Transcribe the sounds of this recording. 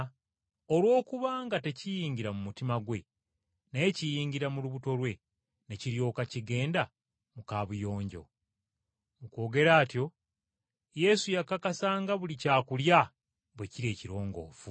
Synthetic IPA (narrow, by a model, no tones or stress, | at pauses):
olwo̞ːkuβaːŋɡate̞cijiːɲɟiɾamumutimaɡwe̞ | naecijiːɲɟiɾamuluβuto̞lwe̞ | ne̞ciɾjo̞ːkaciɡe̞ːnda | mukaːβujo̞ːɲɟo̞̰ | muko̞ːɡe̞ɾaːtjo̞ | je̞sujakakasaːŋɡaβulicaːkulja | βwe̞ciɾe̞ːciɾo̞ːŋɡo̞̰ːfu